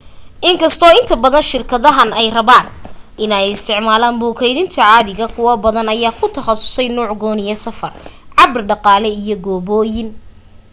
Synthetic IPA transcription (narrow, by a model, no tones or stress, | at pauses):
ʔɪŋkʰɐst̪ʰɔːɪnt̪ʰɐbɐðɐnʃɪrkʰɐðɐɦɐnɛjrɐβaːnʔɪnɛjɪst̪ʰɪʕmaːlaːnbuːkʰɛjðɪnt̪ʰɐʕɑːðɪɣɐkʰʊwɐbɐðɐnɐjaːkʰʊt̪ʰɐχɑsʊ̥sɛjnuːʕɡɔːnɪjɐsɐfɐrʕɑbrɖɑqɑːlɛijɔɡɔːβɔːjɪn